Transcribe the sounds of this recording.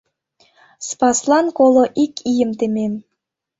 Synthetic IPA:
spɑslˠɑnkolˠŏʔikʲʰijə̆mt̪ĕmʲen

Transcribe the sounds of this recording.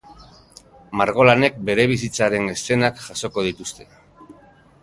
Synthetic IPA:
maɾɣ̞o̞lane̞k̚be̞ɾe̞β̞isit͡saɾe̞ne̞st̪e̞nakʝaso̞ko̞ð̞it̪ust̪e̞

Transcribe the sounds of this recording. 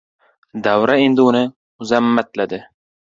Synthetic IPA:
d̪awɾae̞nd̪ɪʊnɪ | ʊzamːat̪lad̪ɪ

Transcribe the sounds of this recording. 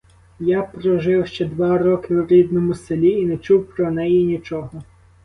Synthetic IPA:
japɾɔʒɪwʃt͡ʃɛd̪ʋɑɾɔkɪwɾʲid̪nɔmʊselʲiːnɛt͡ʃuwpɾɔnɛjinʲit͡ʃɔɦɔ

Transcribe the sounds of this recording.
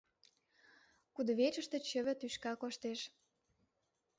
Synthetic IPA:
kud̪ə̆βet͡ɕə̆ʃt̪ə̆t͡ɕə̆βə̆t̪yʃkɑkoʃt̪eʃ

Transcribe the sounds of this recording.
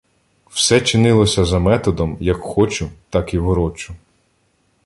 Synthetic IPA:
w̥sɛt͡ʃɪnɪlˠɔsʲɐzɐmɛt̪ɔd̪ɔmjɐkxɔt͡ʃʊt̪ɑkiʋɔɾɔt͡ʃʊ

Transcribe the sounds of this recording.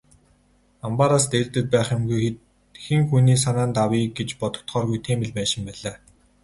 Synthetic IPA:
ampaɾaːst̪ert̪ɘ̆t̪̚pæːχɪ̆mɡuj̪ | xɘ̆ŋxuniːs̬anaːnt̪awiːɡet͡ɕpɔt̪ɞ̥̆kt̪χɔːrɣujt̪ʰeːmɘ̆ɮpæːʃɪ̆mpæːɮaː

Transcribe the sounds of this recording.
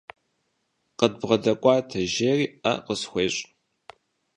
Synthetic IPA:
qəd̚bʁɐdɐkʷʼɑːtʰɐʒeːriːʔɐ̰qəsxʷeːɕʼ

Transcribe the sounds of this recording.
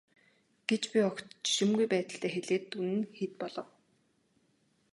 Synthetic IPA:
ɡ̥et͡ɕpʲiɔkt̪t͡ɕʃimɡujpæːt̪ə̆ɬt̪æːxeɮeːt̪ːunɘ̆nxet̪̚pɔɮɞ̆w

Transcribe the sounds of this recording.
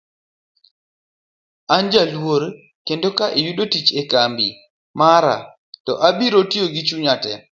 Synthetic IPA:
aɲd͡ʒalwoɾ | kendokaʔejuɗotit͡ʃɛkambḭ | maɾa̰ | tɔ̰ʔaɓiɾotioɡit͡ʃuɲatɛ̰

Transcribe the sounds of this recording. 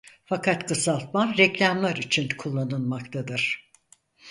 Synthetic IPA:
fakʰat̪kʰɯsalˠt̪̚manɾɛclʲamlˠaɾit͡ʃʰinkʰulˠːanɯnmakt̪ʰad̪ɯɾ̥

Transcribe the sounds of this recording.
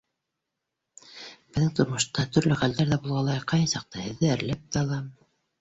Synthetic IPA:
b̥ɘ̆ðɘŋt̪ŏɾmŏʃt̪ɑt̪ɵ̆ɾlɵχæld̪æɾðæbulˠʁɑlˠɑjqɑjhɑsɑq̚t̪ɤhɘ̆ðːɘæɾlæp̚t̪æɑlˠɑm

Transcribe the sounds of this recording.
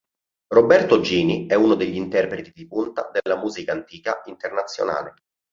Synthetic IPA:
robɛrt̪od͡ʒiːniɛunod̪eʎːint̪ɛrpɾet̪id̪ipunt̪ad̪elːamuːzikaːnt̪iːka̰int̪ernat̪sːjo̰na̰ːle

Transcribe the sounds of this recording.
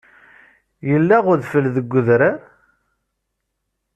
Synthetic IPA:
jəlːaʁʊɾðfəlðəɡʷːəðɾa

